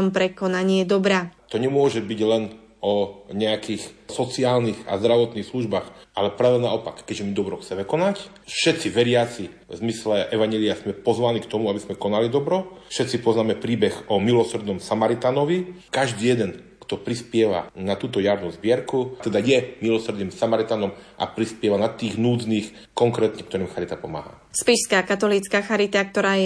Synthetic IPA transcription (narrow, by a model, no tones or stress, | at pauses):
mpɾɛkɔnaɲɪɛd̪ɔbɾaːt̪ɔɲɛmʊɔʒɛbiɟlɛn | ɔɲɛakixsɔt͡siaːlniɣa̰zd̪ɾaʋɔt̪nixsluʒbaːxʔalɛpɾaːʋɛnaɔpakːɛʒɛmid̪ɔbɾɔxt͡sɛmɛkɔnac | fʃɛt̪t͡siʋɛɾɪat͡si | zmislɛʔɛʋaɲɛliazmɛpɔzʋanikt̪ɔmuabizmɛkɔnalid̪ɔbɾɔfʃɛt̪t͡sipɔznaːmɛpɾiːbɛɣɔmilɔsr̩d̪nɔmsamaɾit̪anɔʋikaʒd̪iːjɛd̪ɛn | kt̪ɔpɾispɪɛʋa̰nat̪uːt̪ɔjaɾnuzbɪɛɾkut̪ɛd̪ajɛmilɔsr̩ɾd̪niːmsamaɾit̪anɔmʔa̰pɾispɪɛʋanat̪iːɣnuːd͡zniːx | kɔŋkɾɛːt̪ɲɛkt̪ɔɾiːmxaɾit̪apɔma̰ːɦa̰ | spiʃskaːkat̪ɔliːt͡skaːxaɾit̪ak̚t̪ɔɾaːjɛ